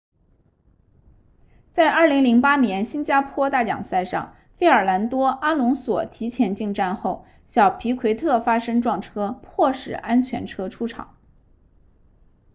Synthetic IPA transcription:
t͡sa˥˧ɪʔə˞˥˩li˧˥ŋli˧˥ŋpa˥njɛ˧˥nɕi˥nt͡ɕja˥pʰwɔ˥t̪a˥˩jɑ̰˨˩ŋsa˥˧ɪʂɑ̰˥˩ŋ | fe˥ɪə˞˨˩la˧˥nt̪wɔ˥ʔa˥lʊ˧˥ŋswɔ̰˨˩t̪ʰi˧˥t͡ɕʰjɛ˧˥nt͡ɕi˥˧ŋʈ͡ʂa˥˧nxo˥˩ʊ | ɕjɑ˨˩ʊpʰi˧˥kʰwe˧˥ɪt̪ʰɤ˥˩fa˥ʂɤ˥ŋʈ͡ʂwɑ˥˩ŋʈ͡ʂʰɤ˥pʰwɔ˥˩ʂɻ̩˨˩ʔa˥nt͡ɕʰɥɛ̰˧˥nʈ͡ʂʰɤ˥ʈ͡ʂʰu˥ʈ͡ʂʰɑ̰˨˩˦ŋ

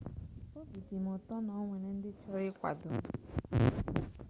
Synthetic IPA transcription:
o˦bi˨di˨m˨ʊ˨tɔ˦nɔ˨˦ŋʷe˨ne˨n̩˦dɪ˦t͡ʃɔ˦ɾɪ˦kʷa̰˨dʊ˨˦

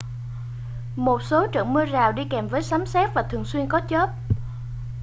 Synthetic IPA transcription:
mo˨˩t̚so˨˦t͡ɕə̰˧˩mɨ˧zaː˨˩wɗi˧kɛ˨˩mvəː˨˦jsaː˨˦msɛ˦˥t̚vaː˨˩t̪ʰɨ˨˩əŋswi˧ənkɔ˨˦t͡ɕə˦˥t̚

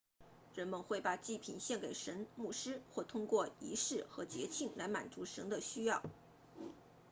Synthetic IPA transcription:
ɻə˧˥nmə˧nxwe˥˩ɪpa˨˩t͡ɕi˥˩pʰi˨˩nɕjɛ˥˩nke˨˩ɪʂə˧˥nmu˥˩ʂɻ̩˥xwɔ˥˩t̪ʰʊ˥ŋkwɔ˥˩i˧˥ʂɻ̩˥˩xɤ˧˥t͡ɕjɛ̰˧˥t͡ɕʰi˥˩ŋla˧˥ɪma̰˨˩nt͡su˧˥ʂə˧˥nd̪ə˧ɕy˥jɑ˥˩ʊ

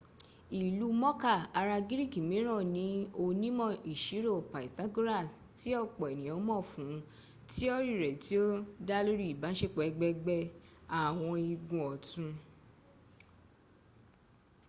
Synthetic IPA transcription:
i˨lu˦mɔ̃˦ka˦˨a˧ɾa˧ɡi˦ɾi˦˨ki˨mĩ˨˦ɾ̃ɔ̃˦˨nĩ˨˦o˧nĩ˦mɔ̃˦˨i˨ʃi˨˦ɾo˦˨pa˨i˨ta˦ɡu˦ɾa˦˨sti˦ɔ˦˨k͡pɔ˨ɛ˨nĩ˨ɔ̃˨˦mɔ̃˦˨fũ˨˦ | ti˦ɔ˦ɾi˦˨ɾɛ˨ti˨˦o˦da˦lo˦ɾi˦i˨ba˨˦ʃe˦˨k͡pɛ˨˦ɡ͡bɛ˧˦ɡ͡bɛ˧a˨w̃ɔ̃˧i˧ɡũ˨ɔ˨tũ˧

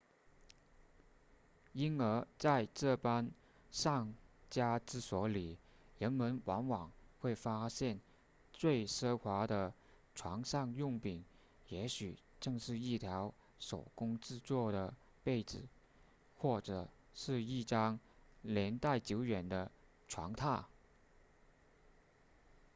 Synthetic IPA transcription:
i˥nə˞˧˥t͡sa˥˧ɪʈ͡ʂɤ˥˩pa˥n | ʂɑ˥˩ŋt͡ɕja˥ʈ͡ʂɹ̩˥˩swɔ˧˥li˨˩ | ɻə˧˥nmə˧˥nwɑ˧˥ŋwɑ˨˩ŋxwe˥˩ɪfa˥ɕjɛ˥˧n | t͡swe˥˩ɪʂɤ˥xwa˧˥d̪ə˧ | ʈ͡ʂʰwɑ˧˥ŋʂɑ˥˧ŋjʊ˥˩ŋpi˨˩˦ŋ | jɛ˧˥ɕy˨˩ | ʈ͡ʂɤ˥˧ŋʂɻ̩˥˧i˥˩t̪ʰjɑ˧˥ʊ | ʂo˨˩ʊkʊ˥ŋʈ͡ʂɻ̩˥˧t͡swɔ˥˩ɾə˩ | pe˥˩ɪt͡sɹ̩˨˩˦ | xwɔ˥˩ʈ͡ʂɤ˨˩ | ʂɻ̩˥˧i˥˩ʈ͡ʂɑ˥ŋljɛ˧˥nt̪a˥˩ɪt͡ɕjo˧˥ʊɥɛ˨˩nd̪ə˦ | ʈ͡ʂʰwɑ̰˧˥ŋt̪ʰa˥˩

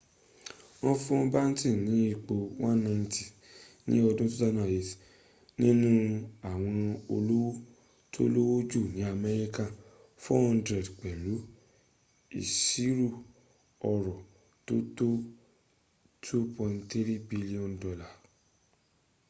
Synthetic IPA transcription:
ɔ̃˧fũ˦ɔ̃˧ba˦n̩˦ti˦˨nĩ˨˦i˧k͡po˧wã˦n˦nã˧nti˨ | nĩ˦ɔ˧dũ˦to˦ta˦nã˦˨e˨ti̥˨ | nĩ˦nũ˦a˦˨w̃ɔ̃˧o˧lo˦wo˦ | tʰo˦lo˦wo˦d͡ʒu˦˨nĩ˨˦a˧mɛ˧ɾi˦ka˦˨ | fɔ˦hɔ̃˧ndɾɛ˨dk͡pɛ˨lu˨˦ | ḭ˨si˦ɾu˦˨ | ɔ˧ɾɔ˨ | to˦to˦ | tʰu˦pɔ̃˧nti˦ɾi˦bi˧li˦ɔ̃˨ndɔ˧la˦˨

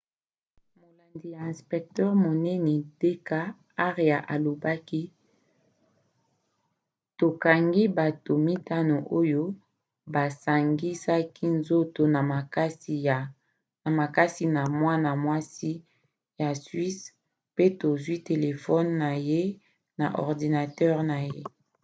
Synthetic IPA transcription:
mo˨la˨ndi˨ja˨ɛ̃˨spɛ˨k̚tɛ˦ʁmo˨nɛ˦ni˨de˦ka˦ | a˦ʁja˨ʔa˨lo˨ba˦ki˦ | to˨ka˨ŋɡi˦ba˨to˨mi˦ta˦no˨ʔo˦jo˦ | ba˨sa˨ŋɡi˦sa˦ki˦nzo˦to˨na˨ma˨ka˦s | na˨ma˨ka˦si˦na˨mwa˦na˨mwa˦si˦ | ja˨sɥi˦s | pe˦to˨zwi˦te˨le˨fɔ˦nːa˨je˦ | na˨ʔɔ̰˨ʁdi˨na˨tɛ˦ʁna˨je˦

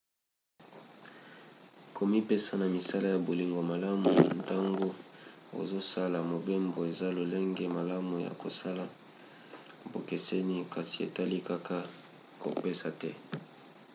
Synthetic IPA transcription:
ko˨mi˦pe˦sa˦na˨mi˨sa˦la˦ja˨bo˨li˨ŋɡo˨ma˨la˦mu˨nta˦ŋɡo˦o̰˨zo˦sa˦la˨mo˨be˦mbo˨e˨za˦lo˨le˦ŋɡɛ˦ma˨la˦mu˨ja̰˨ko˨sa˦la˨ | bo˨ke˨sɛ˦ni˦ka˨si̥˨ḛ˨ta˦li˦ka˦ka˦ | ko̰˨pe˦sa˨tɛ˦

